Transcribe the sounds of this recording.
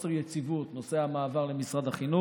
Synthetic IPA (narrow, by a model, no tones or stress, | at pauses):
seʁjet͡sivut̪nosehamaːvaʁlemisʁad̪aχinu